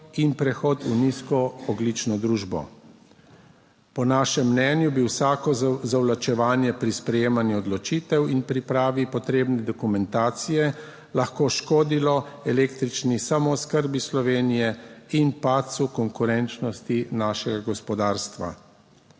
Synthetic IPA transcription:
inpɾɛxɔːt̪uniskɔɔɡlit͡ʃnɔd̪ɾuːʒbɔ̰ | pɔnaːʃɛmːnɛːnjubiwsaːkɔzawlat͡ʃɛʋaːnjɛpɾispɾɛjeːmanjiɔd̪lɔt͡ʃiːt̪ɛwinpɾipɾaːʋipɔt̪ɾeːbnɛd̪ɔkumɛnt̪aːt̪sijɛ | laxkoʃkoːd̪ilɔɛleːkt̪ɾit͡ʃnisamɔskəɾbislɔʋeːnijɛinpat̪sukɔŋkuɾɛnt͡ʃnɔst̪inaːʃɛɡaɡɔspɔd̪aːɾst̪ʋa̰

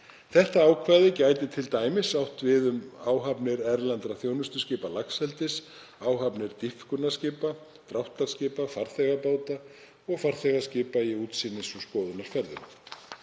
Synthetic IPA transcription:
θɛht̪aaːwkʰvaːðɪcaːjt̪ɪt̪ʰɪlt̪aːjmɪsawht̪vɪðʏmaːwɦapnɪɾɛɾlant̪ɾaθjoːwnʏst̪ʏscɪːpalakshɛlt̪ɪs | aːwɦapnɪɾt̪ifkʏnascɪːpa | t̪ɾawht̪laɾ̥scɪːpafaɾ̥θɛɣapaːwt̪a | ɔɣfaɾ̥θɛɣascɪːpaiuːt̪siːnɪsuskɔːðʏnaɾ̥fɛɾðʏn

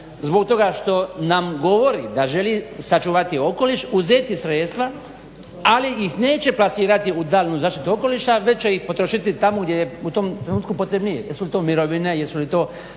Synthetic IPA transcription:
zbo̞kt̪o̞ɡaʃt̪o̞namɡo̞ʋo̞ɾḭd̪aʒe̞liːsat͡ʃuːʋat̪io̞ko̞liʃuzeːt̪isɾeːt̪st̪ʋa | aliixneːt͡ɕe̞plasiːɾat̪iud̪aːlʲnuːzaːʃt̪it̪uoko̞liʃaʋe̞t͡ʃejixpo̞t̪ɾoʃit̪it̪amoɡd̪jejeut̪o̞mt̪ɾenuːt̪̚kupot̪ɾebnijḛjesulit̪o̞ːmiɾoʋine̞jesulit̪o̞ː

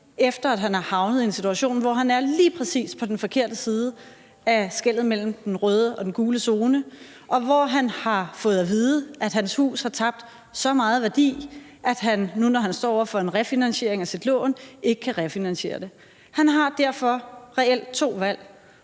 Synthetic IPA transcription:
efd̥ɐæd̥ɦænɑ̈hɑ̈ʊnəð̞̩ˠie̝nsit͡sʰuæɕo̝̰ːnʋɒɦænæɐliːpʰʁɛsḭːspʰɒ̽d̥enfɒ̽kʰe̝ɐ̰d̥əsiːð̞ˠə | æsɡ̥el̰ð̩ˠmel̰m̩d̥enʁœːð̞ˠəʔɒ̽d̥enɡ̥uːləso̝ːnə | ɒ̽ʋɒɦænhɑ̈fɔ̽ːð̩ˠæʋiːðˠəʔæd̥ɦænshṵːshɑ̈t͡sʰɑ̈b̥̚d̥ | sɒ̽mɑ̈ːð̞̩ˠʋæɐd̥ḭː | ʔæd̥ɦænːunɒɦænsd̥ɒ̰ːɒ̰ɐfɒ̽e̝nʁɛfinænɕe̝ɐ̰eŋæsid̥lɔ̰ːnʔe̝ɡ̥əkʰæʁɛfinænɕe̝̰ːɐd̥e̝ | hænɦɑ̈d̥æɐ̰fɒ̽ʁɛel̰d̥̚t͡sʰo̝̰ːʋæl̰

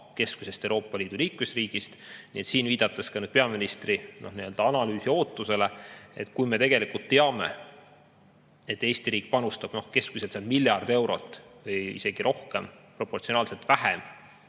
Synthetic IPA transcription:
ke̞skuse̞st̪ewɾo̞ːpːˑɑliːd̪̥uliːkmesriːɡ̥ist̪nḭe̞t̪siːnviːd̪̥ɑt̪ːˑeskɑnyːd̪̥pe̞ɑminist̪rino̞hniø̞ld̪̥ɑɑnɑlyːsio̞ːt̪ːˑuse̞le̞e̞̰t̪kujme̞t̪e̞ɡ̥e̞likult̪ːeɑme̞̰ | e̞t̪ːˑe̞ːsʲt̪iɾiːk̚ˑpɑnust̪ɑb̥no̞hke̞skuseseɑlmilʲjɑrd̪e̞wɾo̞̰t̪ːˑvɯjḭse̞ɡ̥iɾʔo̞hke̞mpro̞pːˑo̞rt̪sionɑːlse̞lt̪væɦem

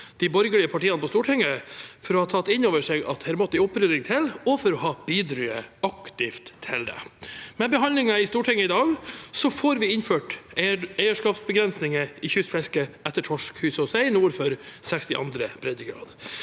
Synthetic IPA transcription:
d̪̥ɪbɔɾɡəɭɪəpʰɑʈiːɑnəpʰɔst̪uːʈʰɛŋːəfɔɾɔhɑt̪ʰɑt̪ːɪnoːʋəʂeːɡɑ̰t̪hɛɾmɔt̪ːɪʊpɾøːd̪ɪŋt̪ʰɪlɔfɔɾɔhɑːb̥iːd̪ɾyːə̰ɑkt̪ɪft̪ʰːɪld̪ɛ̰mɛbəɦɑnlɪŋɑɪst̪uːʈʰɛŋːəɪd̪ɑːɡsɔfoɾʋɪɪnføːʈ | æɪəʂkɑːpsbəɡɾɛnsnɪŋəɪçʉsfɛskəʔɛt̪ːəʈʰɔʂkhʉːsəɔsæɪɪnuːɾfɔɾsɛkst̪ɪ̰ʔɑ̰nd̪ɾəbɾɛd̪əɡɾɑ̰ːd̪

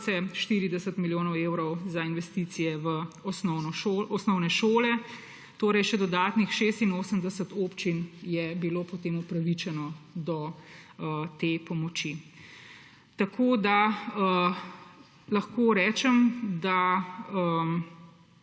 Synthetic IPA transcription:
sɛʃt̪iːɾid̪ɛsət̪miljoːnɔweːwɾɔwzainʋɛst̪iːt̪sijɛʋəsɔnɔɔsnɔwnɛʃoːlɛ | t̪oːɾɛjʃɛd̪ɔd̪aːt̪nixʃeːst̪inoːsəmd̪əsət̪oːpt͡ʃinjɛbiloːpɔt̪eːmupɾaʋit͡ʃɛnɔd̪ɔ | t̪eːpɔmɔt͡ʃi | t̪akʰoːd̪aə | lɐxkoɾɛːt͡ʃɛmd̪aə

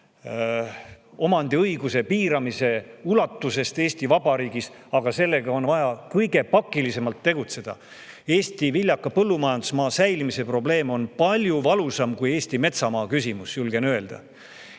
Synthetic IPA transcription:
o̞mɑnd̪iɤjɡ̥use̞piːɾɑmise̞ulɑt̪ːuse̞st̪eːst̪ivɑbɑɾiːɡisɑɡ̥ɑse̞lːe̞ɡ̥ɑo̞nvɑjɑkɤjɡe̞pɑkːˑilise̞mɑlt̪ːeɡ̥ut̪se̞d̪̥ɑ̰ | e̞ːst̪ivilʲjɑkːˑɑpɤlːumɑjɑnd̪̥usmɑːsæjlimise̞pro̞ble̞ːmo̞npɑlʲjuvɑlusɑmkujeːsʲt̪ime̞t̪sɑmɑːkysimusjulɡ̥e̞nøe̞ld̪̥ɑ̰

